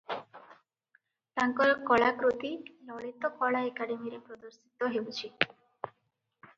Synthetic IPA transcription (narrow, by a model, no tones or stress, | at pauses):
ʈaŋkɔlkɔɭakɾut̪ilɔɭit̪ɔkɔɭaekaɖemiɾepɾɔd̪ɔɾsit̪ɔɦewt͡ʃʰi